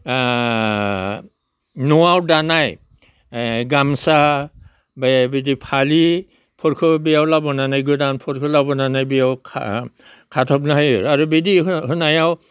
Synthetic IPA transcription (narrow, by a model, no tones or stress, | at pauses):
nɔwawdanaj | ɡamsa | bajbidipʰali | pʰɔɾkʰɯbijawlabɔnanajɡɯdanpʰɔɾkʰɯlabɔnanajbijawʰ | kʰatʰɔpnaɦajɯɾaɾubedihɯnajaw